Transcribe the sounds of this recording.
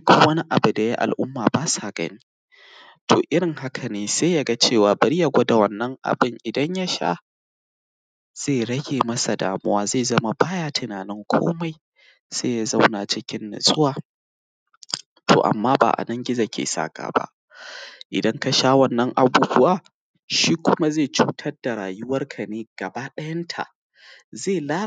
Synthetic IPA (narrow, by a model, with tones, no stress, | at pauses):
kʊ˦wɐ˦ni˦ʔa̰˨bu˨da˨ji˦ʔa̰˨lʔʊ˦mːaː˨baː˦sa˨ɡɐ̰˦ni˦ | tʰoː˨ʔɪ˦ɽɪ˨ŋha˦kʰa˨neː˨seː˦ja˦ɡa˦t͡ʃeː˦˨waː˨bɐ˨ɾi˦ja˨ɡʷo˦da˨wɐ˨nːɐ˦ŋʔa̰˨bɪ˦˨ŋʔɪ˨dɐ˦ɲja˦ʃa̰˦ | z̥eː˦˨ɾɐ˦ɡʲeː˨mɐ˦sa˨da̰ː˨mʊ˦waː˦za˦˨zɐ˦ma˨baː˦jaː˦tɪ˨naː˨nɪ˦ŋkʷʰo̰ː˦ma˨j | z̥eː˦ja˦za˦wna˨t͡ʃɪ˦kʲɪ˦nːɐ̰˨sʼʊ˦waː˨ | tʰo̰ː˨ʔa̰˨mːaː˦ba̰ː˨ʔa̰˨nɐ˦ŋɡʲɪ˦za˨kʲḛː˨sa̰ː˦˨ɡa̰ː˨ba̰˦ʔ | ʔɪ̰˨dɐ˦ŋka˦ʃaː˦wɐ˦nːɐ˦ŋʔa˨buː˨bʊ˦waː˨ | ʃiː˦kʷʊ˦ma˦zeː˦˨t͡ʃuː˦tʰɐ˦rda˨ɾaː˨jʊ˦wɐ˦rkʰa˨neː˦ɡ̥ɐ˨ba˦ɗɐ˦jɐ˦ntʰa̰˨ʔ | zeː˦˨laː˦